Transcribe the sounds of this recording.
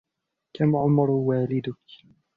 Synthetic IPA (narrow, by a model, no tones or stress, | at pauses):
kamʕʊmɾˤwaːlɪd̪ʊk